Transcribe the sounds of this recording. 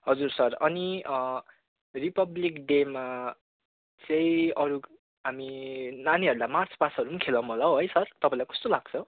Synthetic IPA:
ɦʌd͡zursʌrʌni | ripʌblikɖema | t͡sʌ̃ĩʌɾu | ɦaminaniɦʌɾulamart͡spasʌɾumakʰelʌw̃mɦolaoɦojsʌrt̪ʌpãĩlajkʌ̥st̪olaɡ̚t͡sʰʌ

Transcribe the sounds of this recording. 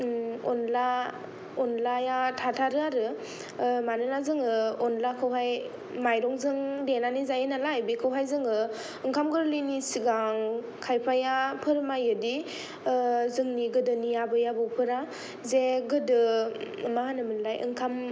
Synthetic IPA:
ɔnla | ɔnlajatʰatʰaɾɯaɾɯ | manɯnazɯŋɯɔnlakʰɯwɦaj | majɾɔŋzɯŋdenanizajenalajbikʰɯwɦajzɯŋɯ | ɯŋkʰamɡɯɾlinisiɡaŋ | kʰajpʰajapʰɯɾmajɯdi | zɯŋniɡɯdɯnijabɯjabɯwpʰɯɾa | zeɡɯdɯmaanɯmɯnlajʔɯ̰ŋkʰam

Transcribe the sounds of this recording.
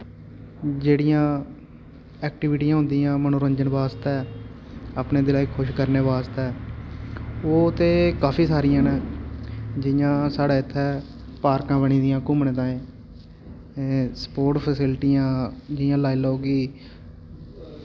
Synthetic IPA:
d͡ʒeːɽijãː | ɛːk̚ʈɪʋɪʈiːãːɦʊ̃nd̪iːãːmənoːɾəɲd͡ʒənbaːst̪ɛː | apneːd̪ɪlaːikʰʊʃkəɾneːʋaːst̪ɛː | oːt̪eːkaːpʰiːsaːɾijãːnɛː | d͡ʒɪjãːsaːɽaːɪt̪ʰːɛː | paːɾkãːbəɳ̃iːd̪ijãːkʊmɳẽːt̪ãːẽː | spoːɾʈpʰəsɪlʈiːjãːd͡ʒɪjãːlaːiloːɡiː

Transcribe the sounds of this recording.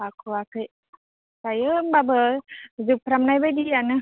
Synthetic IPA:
akʰuakə | sajəbabəzupəɾamnajbədianə

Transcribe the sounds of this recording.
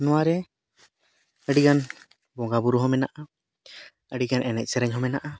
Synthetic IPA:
nɔwaɾɛ | əɖiɡan | bɔɡabuɾuɦɔmɛnaʔa | əɖiɡanʔɛnɛc̚sɛɾɛɲɦɔmɛnaʔa

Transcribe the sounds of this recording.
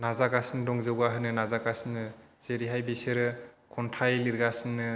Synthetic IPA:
nazakasindɔŋzɯwɡaɦɯnɯnazakasinɯ | z̥eɾiɦajbisɯɾɯ | kʰɔntʰajliɾɡasinːɯ

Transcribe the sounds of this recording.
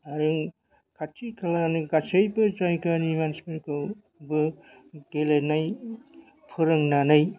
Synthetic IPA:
aɾɯŋ | kʰatʰːikʰalanɯɡasɯjbɯd͡ʒajkanimansmeɾkʰɯw | bɯ | ɡ̥elenaj | pʰɯɾɯŋnanaj

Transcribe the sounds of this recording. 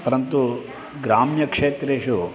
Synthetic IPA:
pɐɾɐnt̪u | ɡɾaːmjɐkʂeːt̪ɾeːʃu

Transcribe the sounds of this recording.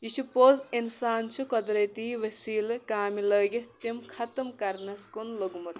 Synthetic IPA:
jisupozinsaːnt͡ʃʰukɐd̪ɾɐt̪iːʋɐsiːlkaːmilɐːɡet̪emkʰɐt̪ɐmkɐɾnɐskonloɡumɐt̪ʰ

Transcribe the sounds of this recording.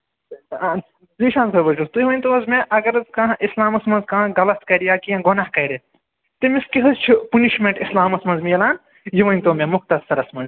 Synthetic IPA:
ziʃãːnsɐbɐt͡ʃut̪ujiʋɐnʲt̪uɐzmeʔɐɡɐɾɐzkããʔislaːmɐsmɐnzkãːɡɐlɐskɐɾijaːkijãɡonahkɐjɾe | t̪imiskiɦɐzt͡ʃʰipuniʃmẽɳʈislaːmɐsmɐ̃nzmiɐlaːn | jiʋɐnʲt̪oːmẽmʊxt̪ɐsːɐɾɐsmɐnz

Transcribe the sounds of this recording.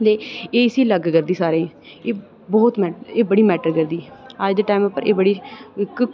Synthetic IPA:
leːeːɪsiːləɡkəɾd̪iːsaːɾẽː | eː | bɔːt̪mɛːeːbəɽiːmɛːʈəɾkəɾd̪iːəd͡ʒd̪eʈaːɪməpːəɾeːbəɽiːk

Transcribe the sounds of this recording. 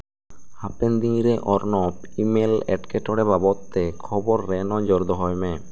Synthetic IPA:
hapend̪iŋɾeʔɔɾnɔpimelɛ̰ʈkeʈɔɽebabɔt̪ːekʰɔboɾːɛnɔd͡ʒɔɾd̪ɔɦɔjmɛ

